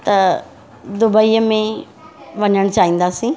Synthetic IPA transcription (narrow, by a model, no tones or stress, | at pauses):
t̪ɐ | d̪ʊbəiːəmẽ | ʋɐɲəɽ̃t͡ɕaːɦĩːn̆d̪aːsĩː